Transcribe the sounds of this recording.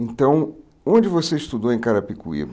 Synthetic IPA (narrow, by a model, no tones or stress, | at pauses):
ẽnt̪ɐ̃w̃ | õd͡ʒɪvoseiʃt̪ud̪owẽj̃kaɾɐpikṵḭɐ̰